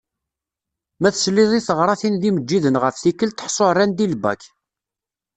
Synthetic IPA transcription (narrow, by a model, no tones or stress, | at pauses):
mæθəslːiðˤiθəʁɾˤɑθinðiməd͡ʒːiðənʁəfθikːəlt̪ə̥ħsˤorːænd̪ilbæ̰k